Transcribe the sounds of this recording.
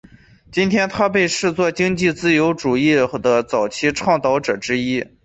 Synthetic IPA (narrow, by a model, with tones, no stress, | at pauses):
t͡ɕi˥nt̪ʰjɛ˥nt̪ʰa˥pe˥˧ɪʂɻ̩˥˧t͡swɔ˥˩t͡ɕi˥ŋt͡ɕi˥˩t͡sɹ̩˥jo˧˥ʊʈ͡ʂu˨˩i˥˩xd̪ə˦t͡sɑ˨˩ʊt͡ɕʰi˥ʈ͡ʂʰwɑ˥˧ŋt̪ɑ˥ʊʈ͡ʂɤ˨˩ʈ͡ʂɻ̩˥i˥